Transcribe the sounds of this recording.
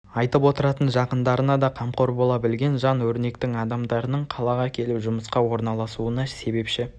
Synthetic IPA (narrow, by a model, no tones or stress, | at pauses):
ɑjt̪əpwo̞t̪əɾɑt̪ənʒɑqənd̪ɑɾənɑd̪ɑqʰɑmqo̞ɾbo̞lˠɑbɪlɡʲe̞nʒɑnwɵɾne̞kt̪ɪŋɑd̪ɑmd̪ɑɾənəɴqʰɑlˠɑʁɑkʲʰe̞lɪpʒʊməsqɑwo̞ɾnɑlˠɑsuənɑse̞be̞pʃɪ